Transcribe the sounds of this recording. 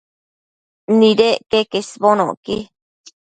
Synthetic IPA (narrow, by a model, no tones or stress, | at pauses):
niɾeʔkekesβono̰ki